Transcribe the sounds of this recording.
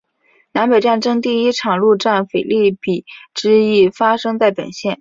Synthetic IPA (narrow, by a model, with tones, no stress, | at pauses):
na˧˥npe˨˩ɪʈ͡ʂa˥˩nʈ͡ʂɤ˥ŋt̪i˥˩i˥ʈ͡ʂʰɑ˨˩ŋlu˥˧ʈ͡ʂa˥˩nfe˨˩ɪli˥˩pi˨˩˦ʈ͡ʂɻ̩˥i˥˩fa˥ʂɤ˥ŋt͡sa˥˩ɪpə̰˨˩nɕjɛ˥˩n